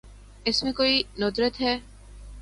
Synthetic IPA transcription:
ɪsmẽkoːinod̪ɾət̪ɦɛː

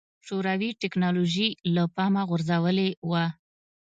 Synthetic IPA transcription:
ʃoɾawiʈɪknɑloʒilapɑmaɣʊɾzawəlewa

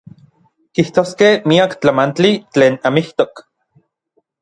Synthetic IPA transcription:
kiht̪oːskehmiakt͡ɬamant͡ɬit͡ɬeːnamiht̪ok

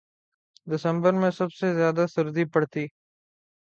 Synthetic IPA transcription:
d̪ɪsə̃mbəɾmẽsəbsezjaːd̪asɪɾd̪ipəɽt̪iː

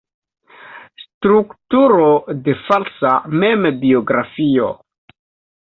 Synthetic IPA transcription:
stɾuktuɾode̞falsamembioɡɾafio̰

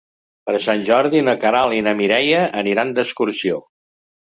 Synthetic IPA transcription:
pəɾsanʲʒɔɾðinəkəɾalinəmiɾɛjəʔəniɾand̪əskuɾsio

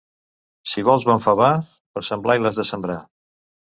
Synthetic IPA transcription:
siβɔlˠzβaɱfəβa | pəɾsəmblailˠəzðəsəmbɾa

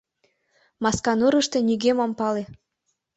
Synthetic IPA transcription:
mɑskɑnɤɾəʃt̪eniɣemɑmpɑle

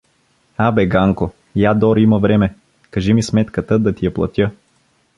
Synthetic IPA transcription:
abɛɡaŋko | jad̪ɔɾimɐvɾɛmɛ | kɐʒimismɛt̪kət̪əd̪ɐt̪ijɐplˠɐ̰t̪ʲjə

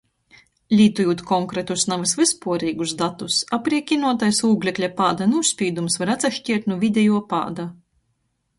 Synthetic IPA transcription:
lʲiːt̪ujuːt̪kɔŋkɾet̪usnavasvɨspuɔɾiːɡusd̪at̪usapɾiɛkʲinuɔt̪ajsuːɡlʲɛklʲapaːd̪anuʃspʲiːd̪umsvaɾat̪saʃcʲiɛɾt̪nuvʲid̪ʲɛjuɔpa̰ːd̪a

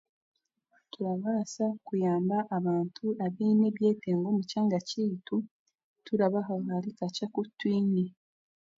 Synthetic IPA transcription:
tuɾaβaːsakujaːmbaʔːβaːntʰuaβiːne̞βje̞ːteːŋɡomucaŋɡacitu | tuɾaβaɦaɣalikacakutːwiːɲe

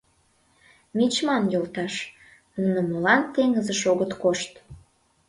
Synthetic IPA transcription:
mit͡ɕmɑnjolt̪ɑʃ | nunə̆molɑnt̪eŋəzəʃoɣət̪koʃt̪

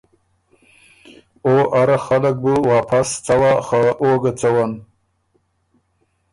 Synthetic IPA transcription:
oʔaɾaxalək̚buwɑːpʰast͡sawaxaʔoɡat͡sawan

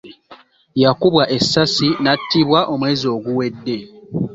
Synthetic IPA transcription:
jakuβwaʔe̞sːasinatːiβwaʔo̞mwe̞ːzio̞ːɡuwe̞dːe̞

